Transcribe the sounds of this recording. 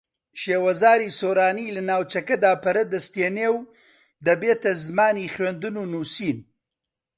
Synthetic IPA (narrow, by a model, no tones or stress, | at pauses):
ʃewazɑːɾisoːɾɑːnilanaːwt͡ʃakad̪aːpaɾəd̪əst̪enew | d̪əbet̪azmɑːnixwand̪ununusiːn